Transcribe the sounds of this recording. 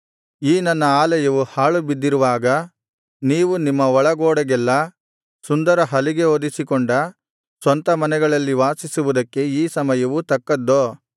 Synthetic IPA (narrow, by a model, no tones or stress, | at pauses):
iːnɐnːɐaːlɐjɐʋuhaːɭubid̪ːiɾuʋaːɡɐ | niːʋunimːɐɔɭɐɡoːɽɐɡɛlːɐ | sund̪ɐɾɐɦɐliɡe̞oːd̪isikɔɳɖɐ | sʋɐnt̪ɐmɐnɛɡɐɭɐlːiʋaːsisuʋud̪ɐkːe̞iːsɐmɐjɐʋut̪ɐkːɐd̪ːoː